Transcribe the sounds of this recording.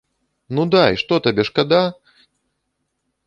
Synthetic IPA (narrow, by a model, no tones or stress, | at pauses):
nud̪ajʂt̪ɔt̪abʲɛʂkad̪a